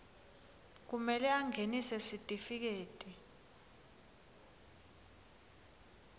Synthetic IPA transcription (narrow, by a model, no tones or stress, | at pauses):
k̬umɛlɛaŋɡʱenisɛsitʼifik̬eːtʼi